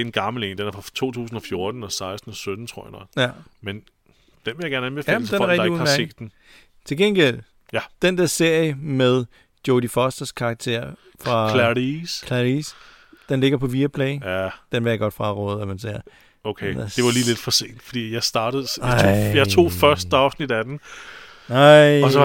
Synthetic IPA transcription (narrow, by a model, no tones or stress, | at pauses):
e̝nɡ̥ɑ̈ml̩eːnd̥enæɐfʁɑ̈t͡sʰo̝̰ːt͡sʰṵːsn̩ɒ̽fjo̝ɐd̥n̩ɒ̽sɑ̈ɪsd̥n̩ɒ̽sød̥n̩t͡sʰʁo̝ɐjɑ̈nɒ̥jæmen | d̥enʋejaɡ̥æɐnænbefsd̥enæɐʁɛɡḁeu̥hse̝̰ːd̥en | t͡sʰe̝lɡ̥enɡ̥el̰ | jæd̥end̥ɛɐse̝ɐ̰jəmeðˠ | d̥jodifɒsd̥ɐskʰɑ̈ɡ̥̚t͡sʰe̝ɐ̰ | fʁɑ̈lædiskʰlædis | d̥enle̝ɡ̥ɐpʰɒ̽ʋiːɐpʰlɛɪd̥enʋejäɡ̥ɒ̽d̥fʁɑ̈ʁɔ̰̽ːð̞̩ˠæmænse̝ɐ̰ | okʰed̥e̝ʋɑliːle̝d̥fɒ̽se̝̰ːnd̥fɒd̥ḭːjɑ̈ɪsd̥ɑ̈ːɾ̥əð̩̰ˠʰjɑ̈ɪt͡sʰo̝̰ːfɶɐsd̥ɑ̈ʊsnid̥æd̥en̩ | aɪɒsɒ